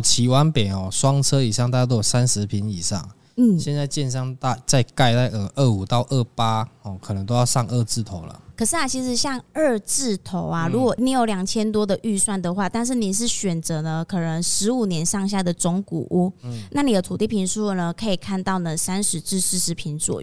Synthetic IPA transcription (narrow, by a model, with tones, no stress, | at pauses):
t͡ɕʰi˧˥wa˦npe˨˩ɪxɔ˨˩swɑ˥ŋt͡sʰɤ˥i˨˩ʂɑ˥ŋt̪a˥˧t͡ɕa˥˧t̪ɔ˥˨˩sa˦nʂɻ̩˧˦pʰi˧˥ni˨˩ʂɑ̰˥˨˩ŋ | n̩˥˩ɕjɛ˥˧nt͡sa˥˧ɪt͡ɕjɛ˥˧nʂɑ˥˧ŋt̪a˥˧t͡sa˥˧ɪka˥˧ɪt̪a˥˩ɪə˧˩ʔə˥˩u˨˩t̪ɑ˥˧ʊʔə˥˩pa˥hɔ˨˩kʰɤ˨˩nə˧˦ŋt̪o˥ʊjɑ˥˧ʊʂɑ˥˧ŋə˥˧t͡sɹ̩˥˩t̪ʰo˨˦ʊlə̰˨kʰɤ˨˩ʂɻ̩˥˩a˨t͡ɕʰi˧˥ʂɻ̩˨˩ɕjɑ˥˧ŋə˥˧t͡sɹ̩˥˩t̪ʰo˧˥ʊa˨ɻu˧˥kwɔ˨˩˥ni˧˥˧jo˧˩ʊljɑ˨˩ŋt͡ɕʰjɛ˥nt̪̬wɔ˥d̪ə˨ʔy˥˧swa˥˩nd̪ə˩xwa˥˧t̪a˥˧nʂ̬ɻ̩˥˩ni˨˩ʂ̬ɻ̩˥˩ɕɥɛ˨˩nt͡sɤ˧˥nə˧kʰɤ˨˩nə˧˦ŋʂɻ̩˧˦˥u˨˩njɛ˧˦˥nʂɑ˥˧ŋɕ̬ja˥˩d̪ə˩t͡sʊ˧˥ŋkṵ˨˩ʔu˥na˥˩ni˨d̪ə˦t̪ʰu˨˩t̪i˥˩pʰi˧˥nʂu˥˨nə˩kʰɤ˧˥i˨˩kʰa˥˧nt̪ɑ˥˩ʊnə˩sa˥nʂɻ̩˧˥t͡sɻ̩˥˩s̩˧˥ʂɻ̩˧˥pʰi˧˥nswɔ̰˨˩˦